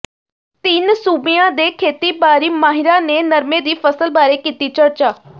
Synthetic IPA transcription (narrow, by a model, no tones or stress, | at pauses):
t̪iːnsuːbijãd̪eːkʰeːt̪ibaːɾimaːɦɪɾanenɐɾmed̪iːfəsəlbaːɾekiːt̪it͡ʃəɾt͡ʃaː